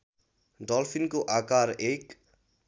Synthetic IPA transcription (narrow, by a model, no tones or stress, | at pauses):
ɖɔlpʰinkoʔaːkaːɾeːk